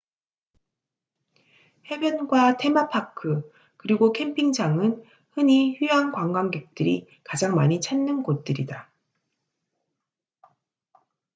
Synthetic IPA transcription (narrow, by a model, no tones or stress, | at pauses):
he̞bjʌnɡwatʰe̞mapʰakʰɯ | kɯɾiɡokʰe̞mpʰiŋd͡ʑaŋɯn | hɯɲiçujaŋkwaŋɡwaŋɡe̞k̚t͈ɯɾi | kad͡ʑaŋmaɲit͡ɕʰanːɯnɡot̚t͈ɯɾida